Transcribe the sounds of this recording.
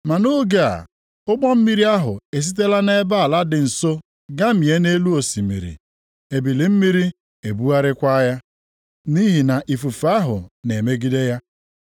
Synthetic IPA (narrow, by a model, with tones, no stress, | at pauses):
ma˨no˦ɡe˦a̰˨ | ʊ˦ɡ͡bɔ˦m̩˦mi˦ɾi˦a˦ɦʊ̰˨e˨s̬i˦t̬e˦la˦ne˦ba˦a˨la˦dɪ˨n̩˨so˦ | ɡa˦m̩˦˨i˨e˦ne˦lu˦o˨si˨mḭ˨ɾḭ˨ | e˨bi˨li˨m̩˦mi˦ɾi˦ | e˨bu˦a˦ɾɪ˦kʷa˦ja˦ | ni˦ɦi˨na˨ʔi˨fu˨fa˦ɦʊ̰˨ne˨me˦ɡi˦de˦ja˦